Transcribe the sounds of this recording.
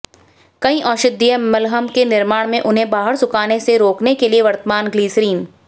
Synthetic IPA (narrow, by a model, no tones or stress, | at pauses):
kɐĩʔɔ̃ːʃɪd̪ːijəmɐlɦəmkenɪɾmaːɽ̃mẽʔʊnɦẽbaːɦəɾsʊkaːneseɾoːknekelieʋɐɾt̪əmaːnɡliːsɾiːn